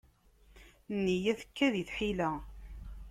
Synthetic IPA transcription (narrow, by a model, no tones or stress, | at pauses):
nːijæθə̥kːæðiθħilæ